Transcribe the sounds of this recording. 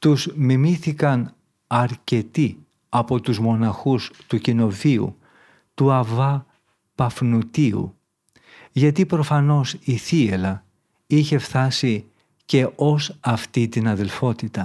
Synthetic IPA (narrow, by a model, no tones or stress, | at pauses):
t̪uzmimiθikɐn | ɐɾce̞t̪i | ɐpo̞t̪uzmo̞nɐxust̪ucino̞viṵ | t̪uɐvɐ | pɐfnut̪iṵ | ʝɐt̪ipɾo̞fɐno̞siθielɐ | içe̞fθɐsi | ce̞ʔo̞sɐft̪it̪inɐðe̞lfo̞t̪it̪ɐ